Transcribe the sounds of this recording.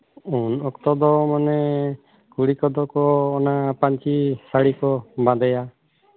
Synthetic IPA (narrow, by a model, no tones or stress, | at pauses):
unɔkt̪ɔd̪ɔmanɛ | kuɽikɔd̪ɔkɔːnapaɲt͡ʃisaɽikɔbãd̪ɛja